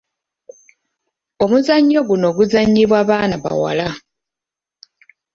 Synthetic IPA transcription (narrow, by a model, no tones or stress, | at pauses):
o̞muzaɲːo̞ɡuno̞ɡuzaɲːiβwaːβaːnaβa̰wa̰la